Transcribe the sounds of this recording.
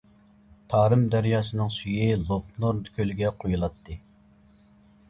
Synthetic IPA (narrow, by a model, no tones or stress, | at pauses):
t̪ʰɑːɾɨmd̪æɾjɑːsɨnɨŋsyjilˠop̚noɾkʲʰølɡʲɛqʰojulˠɑt̪ʰːɨ